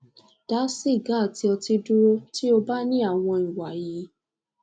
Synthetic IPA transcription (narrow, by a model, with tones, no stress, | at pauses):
d̥a˨˦si˦˨ɡa˨˦˨ti˧ɔ˧ti˧dũ˦wo˦ti˦o˧ba˦nĩ˦a˦˨w̃ɔ̃˧i˨wa˨ji˨˦